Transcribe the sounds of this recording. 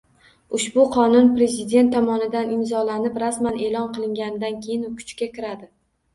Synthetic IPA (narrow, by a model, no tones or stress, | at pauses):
ʊʃbʊqʰɒnʊnpɾe̞zɪd̪e̞nt̪ːɒmɒnɪd̪anɪmzɒlanɪpɾasmane̞lɒnqɨlˠɪŋɡʲanɪd̪ankʲʰejɪnʊkʰʊ̥t͡ʃkʲakʲʰɪɾad̪ɪ